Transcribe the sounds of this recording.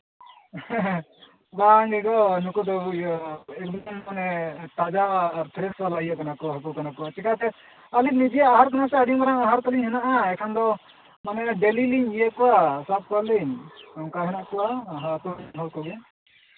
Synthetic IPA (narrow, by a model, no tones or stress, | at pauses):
ɡaŋɡɛɡɔnukud̪ɔ | ɛk̚d̪ɔnmanɛʈ̪ad͡ʒaaːɾt̪ʰɾɛswalaijakanakɔaɦakɔkanakɔwat͡ʃɛkat̪ɛ | alik̚nid͡ʒijaːɦaɾkɔnasɛaɖimaɾaŋaɦaɾk̪ɔliɲɦɛnaʔaɛkʰand̪ɔ | manɛɖɛliliɲijɛkɔwasap̪̚kaɾliɲamkaɦɛnaʔkɔwaɦat̪ɔɦɔlkɔɡɛ